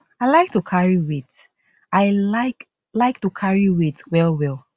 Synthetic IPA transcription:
aɪlaɪk̚tukʰaɹiwit | aɪlaɪk | laɪk̚tukʰaɹiwitwɛlwɛl

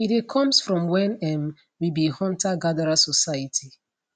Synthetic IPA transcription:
itekʰɔ̃msfɹɔ̃mwɛ̃nɛm | wibihɔ̃ntaɡadaɹasɔsajatʰi

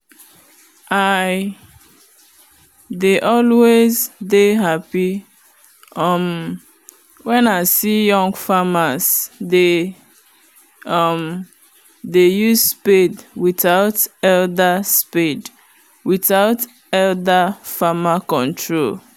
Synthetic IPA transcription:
aɪ | deʔɔlwezdeɦapi | ʌm | wɛ̃naɪsijɔ̃ŋɡfamazde | ʌm | dejuzspedwiθaʊtɛldaspid | wiθaʊt | ɛldafamakɔ̃ntɹol

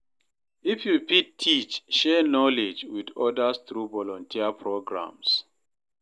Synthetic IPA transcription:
ifjupitʰːit͡ʃʃɛnɔlɪd͡ʒwidɔdəsθɹuvɔlɔ̃ntʰiəpʰɹoɡɹã̰ms

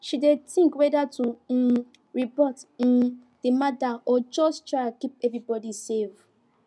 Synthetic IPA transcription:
ʃidetĩŋkwɛdatu | ɹibɔtĩn | d̥emadaɔd͡ʒɔstɹakip̚ɛvɹibɔdisev

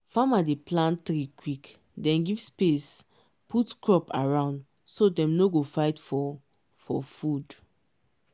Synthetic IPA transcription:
famadeplãntɾikwik | dɛ̃nɡivspes | pʰutkɹɔpaɹãʊ̃nd | sodɛ̃mnoɡofaɪtfɔ | fɔfud

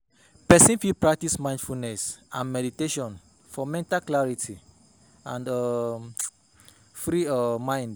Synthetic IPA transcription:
pɛsĩnfipɹak̚tismãj̃ndfulnɛsãnmɛɾiteʃɔ̃n | fɔmɛ̃ntalklaɹitʰi | ãnda | fɹiɔmãj̃nd

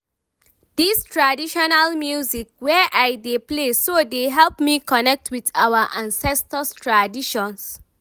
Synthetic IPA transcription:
d̥istʰɹadiʃɔnalmjuzik̚wɛʔajdeplesodeɦɛlpmikɔnɛk̚tʰwitawəʔãnsɛstəstʰɹadiʃɔ̃ns

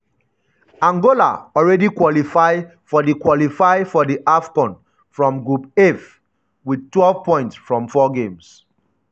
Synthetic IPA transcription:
ãŋɡola̰ɔɹɛdikwɔlifaɪfɔdikwɔlifaɪfɔdiʔafkɔ̃n | fɹɔ̃mɡɹupef | widtwɛlvpɔ̃ɪ̃ntsfɹɔ̃mfɔɡẽms

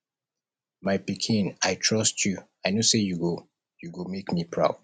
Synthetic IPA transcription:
maɪpikʰĩnajtʰɹɔstʰju | aɪnosejuɡo | juɡomekmipʰɹa̰ʊd̥

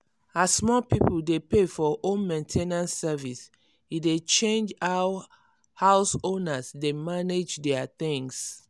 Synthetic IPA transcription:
asmɔpipuldepefɔʔõnmẽntʰenãnsːɛvis | idet͡ʃẽnd͡ʒaw | haʊsõnasdemaned͡ʒdɛaθĩŋs

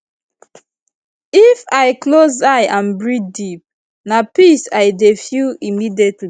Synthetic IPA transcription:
ifaɪklozaɪʔãnbɹidip̚ | napisaɪdefjuimidiɛtʰli

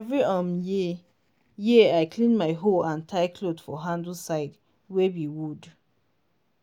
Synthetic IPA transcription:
ɛvɹiɔmj | jiaɪkʰlĩnmaɪɦoãntʰaɪkʰlodfɔɦãndəl̩saɪd | wewiwud

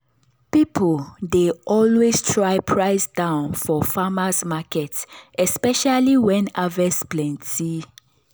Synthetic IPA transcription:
pipʰoldeʔɔlwestʰɹaɪpʰɹaɪsdãʊ̃nfɔfamasmakɛtɛspɛʃaliwɛ̃navɛsplɛ̃nti

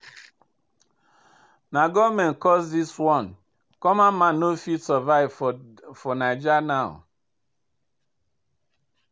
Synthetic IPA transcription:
naɡɔmɛ̃nkɔsdiswɔn | kɔmamanofitsəvaɪvfɔnad͡ʒanaʊ̰

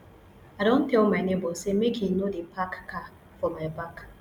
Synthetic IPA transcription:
aɾon̩teʊmɛnebosemekinodepakːa | fʊmepak

